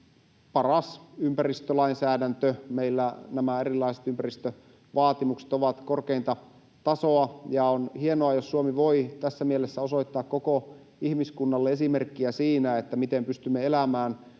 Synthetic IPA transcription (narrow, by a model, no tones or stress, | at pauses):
pɑrɑsympærist̪ølɑinsæːdænt̪ømeilːænæmæerilːˑɑiset̪ympærist̪ø | ʋɑːt̪imukse̥t̪oʋɑt̪korkeint̪ɑ | t̪ɑsoɑjɑonhie̞noɑjosːuomiʋo̞it̪æsːæmielesːæo̞so̞it̪ːɑːkkoko | ihmiskunːɑlːeesime̞rkːiæsiːnæet̪ːæmit̪empyst̪ymːeelæmæːn